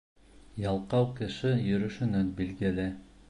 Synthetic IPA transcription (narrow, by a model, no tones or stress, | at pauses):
jɑlˠqɑwkɘ̆ʃɘjɵ̆ɾɵ̆ʃɵ̆nænbilɡɘlɘ